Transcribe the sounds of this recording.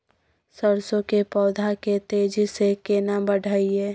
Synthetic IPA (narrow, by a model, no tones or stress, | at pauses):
səɾsõkepɔːd̪ʱaket̪eːd͡ʒisekeːnabəɖʱaiɦɛː